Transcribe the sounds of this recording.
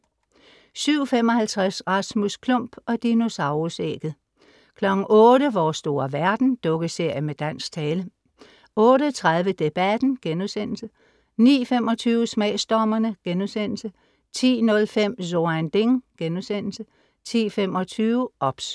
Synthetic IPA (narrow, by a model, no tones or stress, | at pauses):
syʊ̰fem̰ɒ̽hælt͡sʰʁasʁɑsmuskʰlɔ̽m̰b̥ɒ̽d̥ino̝sɑ̈ʊʁosḛːɡ̥ð̩ˠ | kʰlɒ̽ɡ̥n̩ʔɔ̽ːɾəʋɒːsd̥o̝ːɐʋæɐd̥n̩d̥ɔ̽ɡ̥əse̝ɐ̰jəmed̥æn̰sɡ̥t͡sʰɛːlə | ɔ̽ːɾət͡sʰʁaðˠʋəd̥e̝b̥æd̥n̩ɡ̥enusen̰l̩sə | nḭːfemɒ̽t͡sʰyːʊəsmɛɪsd̥ɒmɐnəɡ̥enusen̰l̩sə | t͡sʰḭːnɔ̽lfem̰soænd̥e̝ŋɡ̥enusen̰l̩sə | t͡sʰḭːfem̰ɒ̽t͡sʰyːʊəʔɒ̽b̥s